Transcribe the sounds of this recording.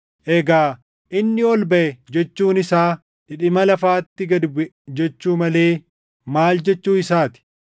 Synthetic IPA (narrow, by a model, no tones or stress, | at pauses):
ʔɛɡaː | ʔɪnːɪɔlbɐʔɛd͡ʒɛt͡ʃːuːnɪsaː | ᶑɪᶑɪmɐlɐfaːt̪ːɪɡɐd̪bɛ | d͡ʒɛt͡ʃːuːmɐle̞ː | maːld͡ʒɛt͡ʃːuːɪsaːt̪ɪ̥